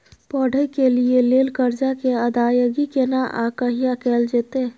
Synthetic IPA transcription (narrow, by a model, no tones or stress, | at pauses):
pɔːɽəkelieleːlkəɾd͡ʒakeəd̪aːjəɡikenaʔakəɦijakeːld͡ʒeːt̪eː